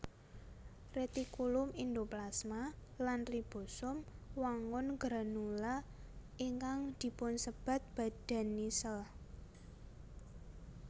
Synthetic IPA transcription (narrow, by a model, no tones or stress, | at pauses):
ret̪ikulʊmind̪oplasmalanrib̥o̤sʊmwaŋʊnɡɾanulaʔiŋkaŋd̪̥i̤pʊnsəb̥a̤t̪̚b̥ä̤d̪̥a̤nːisəl